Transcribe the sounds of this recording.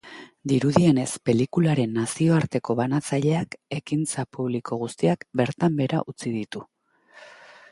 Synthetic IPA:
d̪iɾuðie̞ne̞spe̞likulaɾe̞nːasio̞aɾt̪e̞ko̞βanat͡saʎe̞ake̞kint͡sapuβ̞likʰo̞ɣ̞ust̪iakbe̞ɾt̪ambe̞ɾa̰ʔut͡sið̞it̪u

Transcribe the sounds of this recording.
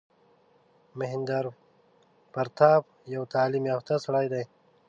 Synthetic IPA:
mɪɦɪnd̪aɾ | paɾt̪aːb̚ | jawt̪aːlimjaft̪asaɽajd̪aj

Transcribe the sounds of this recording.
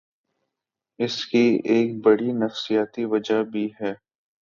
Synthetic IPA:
ɪskieːk̚bɐɽinɐfsijaːt̪iʋɐd͡ʒabʱiɦɛː

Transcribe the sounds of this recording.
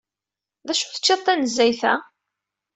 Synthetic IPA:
ðæʃu̥θə̥t͡ʃːeðˤθænəzːæjθæ̰

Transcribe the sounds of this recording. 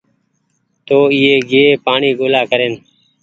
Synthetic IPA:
t̪oːiːeːɡeːeːpaːɳiːɡoːlaːkəɾeːn

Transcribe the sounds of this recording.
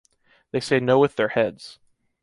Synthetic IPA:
ðeɪseɪnoʊwɨðə˞hɛdz̥

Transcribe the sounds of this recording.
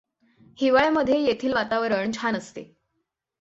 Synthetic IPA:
hiʋaɭjaməd̪ʱjejet̪ʰiːlʋat̪aʋəɾəɳt͡ɕʰanəst̪ḛ

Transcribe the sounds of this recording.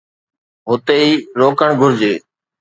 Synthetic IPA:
ɦʊt̪eːiːɾoːkəɳɡʱʊɾd͡ʑeː

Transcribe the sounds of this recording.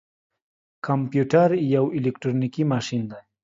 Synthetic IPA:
kampjuʈaɾijawilekʈ̪ɾonikimaʃind̪a

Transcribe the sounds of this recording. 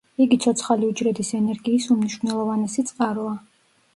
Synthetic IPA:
iɡit̪sʰɔt̪sʰχaliud͡ʒɾɛd̪isɛnɛɾɡiːsumniʃwnɛlˠɔvanɛsit̪sʼqʼaɾɔa

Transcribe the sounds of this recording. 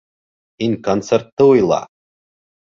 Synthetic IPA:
inʲkont̪sert̪ːɨujlˠɑ̰

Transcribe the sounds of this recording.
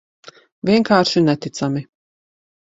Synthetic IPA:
vʲiɛŋkaːɾʃinɛt̪it̪sami

